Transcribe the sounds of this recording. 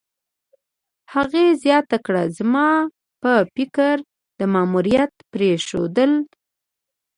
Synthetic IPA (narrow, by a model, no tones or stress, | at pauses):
haɣezjɑt̪akɽazmɑ | pəpɪkəɾ | d̪əmɑmuɾijat̪pɾeʃo̰d̪əl